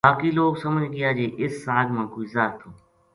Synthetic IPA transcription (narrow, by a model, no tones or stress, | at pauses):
baːkiːloːɡsəməd͡ʒɡɪjaːd͡ʒeːʔɪsːaːd͡ʒmãːkoːizaːɾt̪ʰõː